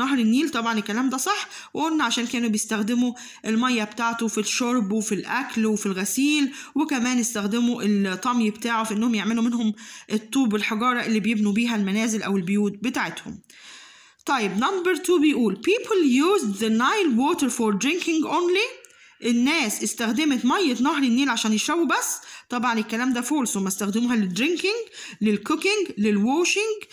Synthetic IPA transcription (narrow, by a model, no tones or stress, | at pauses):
nɑɦɾˤɪnːiːlt̪ˤɑbʕɑnekːælæːmd̪æsˤɑħː | weʔonːæʕaʃæːnkæːnubjest̪æxd̪ɪmu | ʔelmæjːæbet̪aʕt̪ofiʃoɾˤbwefilʔæklwefilɣæsiːlwekæmæːnjest̪æxd̪ɪmuʔelt̪ˤːɑmjibet̪aːʕofiʔenːʊhomjeʕmelumɪnhomʔet̪ˤːuːbelħɑɡɑːɾˤɑʔelːiːbjebnubiːɦælmænæːzɪlʔæwɪlbejuːt̪̚bet̪aʕet̪hʊ̰m | t̪ˤɑjːebnɑmbæɾt̪uːbejʔuːlpiːpʰljuːzðənajlwoːt̪əɾfoɾd̪ɾɪŋkɪŋɡʔoːnli | ʔenːæːsʔest̪æxd̪emet̪mɑjːet̪nɑhɾinːeːlʕaʃæːnjeʃæwːubæsːt̪ˤɑbʕɑnekːælæːmd̪æfoːlsomːæst̪æxd̪emuːhæled̪ɾɪŋkɪŋɡlelkʊkɪŋɡlelwoːʃɪŋɡ